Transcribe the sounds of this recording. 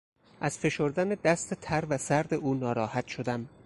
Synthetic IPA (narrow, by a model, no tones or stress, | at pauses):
ʔæz̥fe̞ʃo̞ɾd̪æned̪æst̪et̪ʰæɾvæsæɾd̪e̞ʔuːnɒːɾɒːhæt̪ʃod̪æm